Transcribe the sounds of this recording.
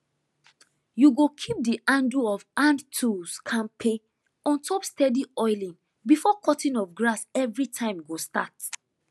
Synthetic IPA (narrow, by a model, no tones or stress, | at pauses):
juɡokʰip̚diʔãnduɔvãndtʰuskʰãnpʰe | ɔ̃ntʰɔpstɛdiɔɪlĩn | bifɔkɔtĩnɔvɡɹasɛvɹitʰãɪ̃mɡostat